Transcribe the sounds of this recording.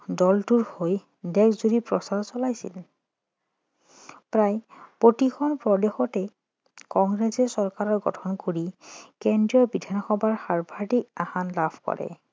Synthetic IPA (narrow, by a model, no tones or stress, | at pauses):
dɔltuɹhoj | dɛkʰzuɹipɹɔsaɹɔsɔlajsḭl | pɹajpotikʰɔnpɹɔdexɔtɛ | kɔŋɡɹesɛsɔɹkaɹɔɹɡɔ̰tʰɔnkoɹikendɹiɔɹbidʱanxɔbʱaɹxaɹbʱaɹdik̚ahanlabʰʱkɔ̰ɹɛ̰